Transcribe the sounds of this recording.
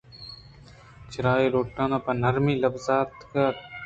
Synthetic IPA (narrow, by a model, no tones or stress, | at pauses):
t͡ʃʰɪɾaːeːɾoːʈːãːnãːpɐnɐɾmiːlɐbzaːt̪ka